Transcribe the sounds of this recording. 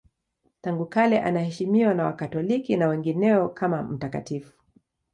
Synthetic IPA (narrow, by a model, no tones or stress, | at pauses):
taŋɡukalɛʔa̰nahɛʃimiwanawa̰katɔlikinawɛŋɡinɛɔkʰamam̩taka̰tifu̥